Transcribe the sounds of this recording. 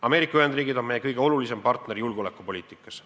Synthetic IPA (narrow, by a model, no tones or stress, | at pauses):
ɑme̞ːɾikːˑɑyhe̞nd̪riːɡid̪o̞nmejːekɤjɡ̥e̞o̞lulise̞mpɑrt̪ne̞ɾijulɡo̞lekːˑupo̞lʲiːt̪ˑikːˑɑs